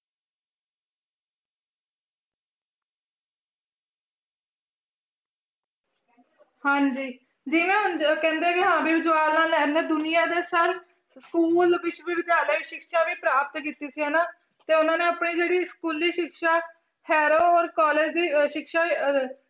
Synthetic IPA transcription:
hãːɲd͡ʒiː | d͡ʒɪʋẽːkɛ̃ːnd̪eːkɪɦãːbiːʋɪd͡ʒwaːɾnaːlːɛːnẽːd̪ʊnɪjãːd̪eːsəɾ | skuːlʋɪt͡ʃʋiːʋɪd̪jaːləiʃɪkʃaːʋiːpɾaːpət̪kiːt̪iːsiːɦənaː | t̪eːʊnãːneːəpɳiːd͡ʒeːɽiːskuːlːiːʃɪkʃaː | hʰɛːɾoːɔːɾkɔːleːd͡ʒd̪iːʃɪkʃaː

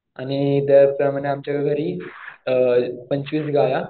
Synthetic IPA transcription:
a̰nit̪at͡sməneamt͡ɕjaɡaɡʱəɾiː | pəɲt͡ɕʋiːsɡaja

